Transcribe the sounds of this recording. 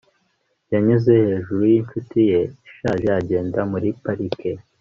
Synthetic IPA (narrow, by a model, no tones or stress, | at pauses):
jaɲuze̞he̞ːʒuɾujiɱt͡ʃutije̞ʃaʒeaɟe̞ːndamuɾipaɾikʰe̞